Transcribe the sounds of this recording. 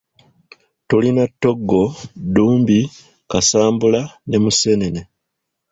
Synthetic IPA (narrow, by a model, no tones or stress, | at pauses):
tolinatːo̞ɡːo̞duːmbi | kasaːmbulane̞muse̞ne̞ne̞